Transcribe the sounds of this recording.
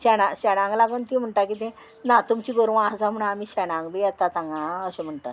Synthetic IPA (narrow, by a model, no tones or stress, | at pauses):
ɕɛɽ̃ãɕɛɽ̃ãŋɡlaɡənt̪im̤əɳʈakit̪ẽ | nat̪umt͡ɕiɡoɾʋ̃ad͡zam̤əɽ̃aːmiːɕɛɽ̃ãŋɡbeat̪at̪ãŋɡaəɕem̤əɳʈa̰t̪